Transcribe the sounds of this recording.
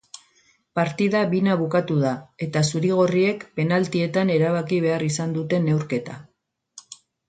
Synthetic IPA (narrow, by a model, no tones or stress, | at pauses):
paɾt̪iðaβinaβukat̪uðae̞t̪asuɾiɣ̞o̞rie̞kpe̞nalt̪ie̞t̪ane̞ɾaβakiβ̞e̞arisand̪ut̪e̞ne̞wɾke̞t̪a